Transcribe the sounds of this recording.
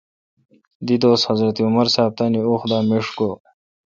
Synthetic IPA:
d̪id̪oːst̪hɐzɾɐt̪iumɐɾsaːb̚t̪aniuxd̪aːmeʂko

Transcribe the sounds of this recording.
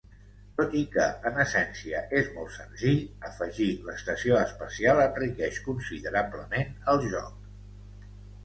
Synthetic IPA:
t̪ot̪ikəːnəsɛnsiəʔezmɔ̰lˠt̪sənziʎəfəʒiləst̪əsioəspəsialˠənrikɛʃkunsiðəɾabləmenəlˠʒɔ̰k

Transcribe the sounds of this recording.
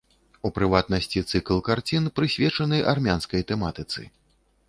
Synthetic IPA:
upɾɨvat̪̚nɐsʲt͡sʲit̪sɨklˠkart͡sʲinpɾɨsʲvʲɛt͡ʂɐnɨʔarmʲanskɐjt̪ɛmat̪ɨt̪sɨ̰

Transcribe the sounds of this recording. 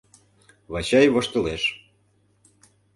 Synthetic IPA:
βɑt͡ɕɑjβoʃt̪ɤ̆leʃ

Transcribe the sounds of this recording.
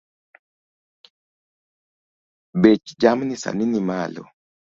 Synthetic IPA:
bet͡ʃd͡ʒamnisa̰ninimalɔ̰

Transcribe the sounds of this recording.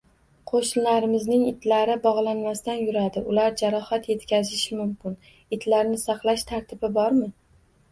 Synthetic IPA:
qʰoʃɪnlaɾɪmɪznɪŋɪt̪laɾɪbɒʁlˠanmast̪anjʊɾad̪ɪʊlaɾd͡ʒaɾɒhat̪je̞t̪kʲʰazɪʃɪmʊmkʲɪn | ɪt̪ʰlaɾnɪsɑqlˠaʃt̪ʰaɾt̪ʰɪbɪbɒɾmɪ

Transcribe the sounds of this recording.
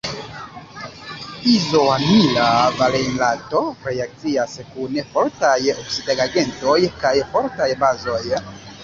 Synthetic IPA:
izoanilavalejnlato̞ɾe̞ak̚t͡siaskunfo̞ɾtajoksidaɡaɡe̞nto̞jkajfo̞ɾtajbazo̞j

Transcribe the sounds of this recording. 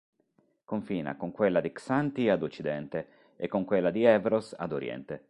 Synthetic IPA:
koɱfiːna̰koŋkwelːad̪iksant̪iad̪ot͡ʃːid̪ɛnt̪e | ḛkːoŋkwelːad̪iɛvɾosa̰d̪oɾijɛ̰nt̪e

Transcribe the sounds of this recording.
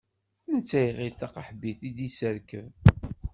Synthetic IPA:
nət͡sːæjʁiθɑqəħbiθid̪isəɾkəv

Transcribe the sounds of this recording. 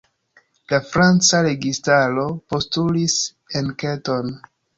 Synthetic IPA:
lafɾant͡saɾe̞ɡistaɾo̞po̞stulis | enketo̞n

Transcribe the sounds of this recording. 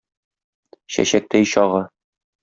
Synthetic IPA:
ɕæ̰ɕæk̚t̪æjɕɒʁɤ

